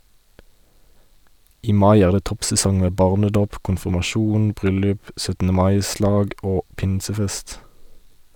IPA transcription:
ˈiː ˈmɑɪ ˈæːʁ ˈdeː ˈtɔpsɛˌsɔŋ ˈmeː ˈbɑːʁnəˌdoːp kʊnfɪmɑˈʃuːn ˈbʁʏlʉp sœtn̩əˈmɑɪˌslɑːɡ ˈoː ˈpɪnsəˌfɛst

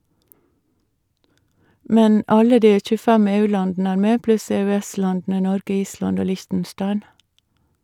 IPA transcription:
ˈmɛn ˈɑlə ˈdiː c͡çʉˈfɛm ˈeːˌʉːˌlɑndn̩ə ˈæːɾ ˈmeː ˈplʉs ɛœˈɛˌslɑndn̩ə ˈnɔɾɡə ˈiːˌslɑnd ˈoː ˈlɪçtn̩ˌʃtɑɪn

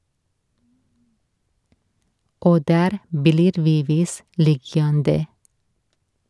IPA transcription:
ˈʔoː ˈdæːɾ ˈbliːɾ ˈʋiː ˈʋiːs ˈlɪjɑndə

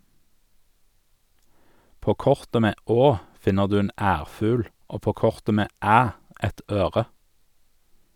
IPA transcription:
ˈpoː ˈkɔʁtə ˈmeː ˈoː ˈfɪnəʁ ˈdʉː ˈeːn ˈæːʁˌfʉːl ˈoː ˈpoː ˈkɔʁtə ˈmeː ˈæː ˈʔɛt ˈøːʁə

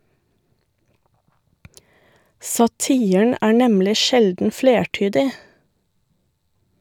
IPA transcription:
sɑˈtiːən ˈæː ˈɳɛmlɪ ˈʃɛldn̩ ˈfleːˌʈyːdɪ

